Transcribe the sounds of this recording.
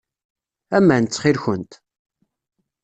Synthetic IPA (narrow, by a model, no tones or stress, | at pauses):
æmːænt͡sːχilçənt̪